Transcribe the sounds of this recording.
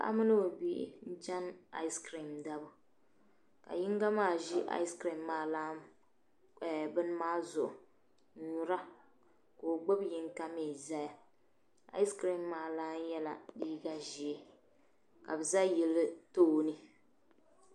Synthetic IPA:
ba̰˨ʔa̰˦mɨ˦nɨ˦o˨bḭ˦n̩˦t͡ʃa˦na̰˦skɾi˨mda˦bʊ˨ | ka̰˨ji˦ŋ˦ɡa˦maː˦˨ʒi˦ʔa̰˦i˦skɾi˨mːaː˨laː˦˨ | bɨ˦n˦maː˦zʊ˨ʔʊ˨˦ | ɲu˨ɾa˦ | ko˨ɡ͡bo˦bji˦ŋka˦meː˨za˦ja˦ | a̰˦skɾi˨mːaː˨laː˦n˦jɛ˦la˨diː˦ɡa˦ʒi˨e˦ | ka˨bɨ˨za˦jɛ˨lɨ˦toː˦˨nɨ˦

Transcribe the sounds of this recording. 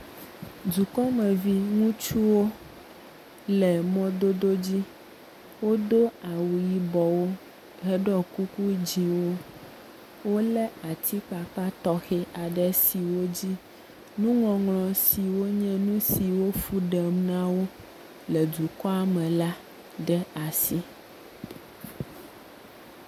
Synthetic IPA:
d͡ʒu˨kɔ˦mɛ̃˨vi˦ŋũ˦t͡ʃu˦wo˦ | lɛ˨mɔ̃˦d̪o˦d̪o˦d͡ʑi˦ | wo˦d̪o˦a˨wu˨ji˦bɔ˨wo˦ | ɣɛ˦ɖɔ˦ku˦ku˦d͡ʑĩ˨wo˦ | wo˦lɛ˦a˨t̪ʰi˦k͡pa˨k͡pa˦t̪ɔ˦xɛ˦ʔa˨ɖɛ˦si˨wo˦d͡ʑi˦ | nũ˦ŋɔ̃˨ŋlɔ̃˨si˨wo˦ɲɛ̃˦nũ˦si˨wo˦fu˦ɖɛ˨mnã˦wo˦ | lɛ˨d͡ʒu˨kɔ˦a˦mɛ̃˨la˦ | ɖɛ˦a˨si˦

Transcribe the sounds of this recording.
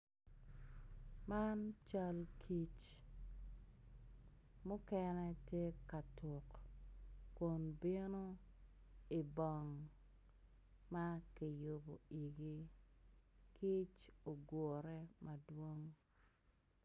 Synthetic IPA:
ma˦nt͡ʃa˦lkʰi˦t͡ʃ | mʊ˦kɛnɛ˦tje˦ka˨tʊ˨kː | ʊ˨nbi˦no˦ | ɪ˨bɔ˨ŋ | ma˦ki˨jo˨bo˨i˨ɡi˦ | kʰi˦t͡ʃo˨ɡo˨ɾɛ˦ma˨dwo˦ŋ

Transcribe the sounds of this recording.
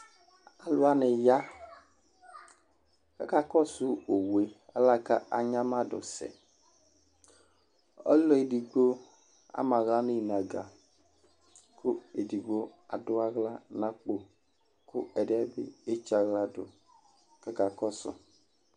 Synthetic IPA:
a˨lʊ˦a˦nɪ˨ja˦ | ka˦ka˨kɔ˦sʊ˦o˨we˨a̰˨la˦ka˦a̰˨ɲa˦ma˦dʊ̰˨sɛ̰˨ | ɔ̰˦lɔ˦e˨di˨ɡ͡bo˦ | a̰˦ma˨ɣla˦nɪ˦˨na˨ɡa˨ | kʰʊ˦e˨di˨ɡ͡bo˦a˨dʊ˦a˦ɣla˦na˦k͡po˨ | kʰʊ̰˦ɛ˨dɪ˦ɛ˦bɪ̰˦e˦t͡ʃa˨ɣla˦dʊ˨ | ka˦ka˨kɔ˦sʊ̰˦

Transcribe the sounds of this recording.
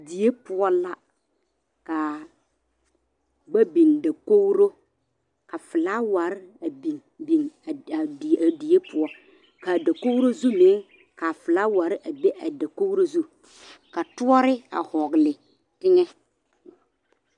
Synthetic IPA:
di˨e˦pʊ˨ɔ˦la˦ | ka˨ | ɡ͡ba˦bi˨nda˨ko˦wɾo˦ | ka˨fɪ˨la˦wa˨ɾɪ˦a˨bi˨n | bi˨n˨a˨di˨e˦pʰʊ˨ɔ˦ | ka˨da˨ko˦wɾo˦zu˦mɪ̃˨˦ | ka˨fɪ˨la˦wa˨ɾɪ˦ʔa˨be˦ʔa˨da˨ko˦ɾo˦zu˦ | ka˨tʊ˦ɔ˦ɾɪ˦a̰˨hɔ˨ɡlɪ˨ | tɪ˦ŋɛ˦

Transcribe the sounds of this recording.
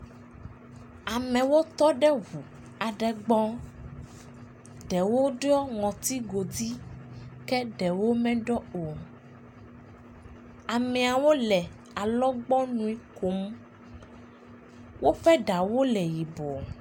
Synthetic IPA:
a˨mɛ̃˨wo˦t̪ɔ˦ɖɛ˦ɦu˨ | a˨ɖɛ˨ɡ͡bɔ̃˦ | ɖɛ˨wo˦ɖe˦ɔ˦ŋɔ̃˨t̪i˦ɡo˨d̪i˦kɛ˦ɖɛ˨wo˦mɛ̃˦ɖɔ˦o˨ | a˨mɛ˨a˨wo˦lɛ˨ | a˨lɔ˦ɡ͡bɔ˦nũ˨i˦ko˨˦m˦ | wʔo˦ɸɛ˦ɖa˨wo˦lɛ˨ji˨bo˨

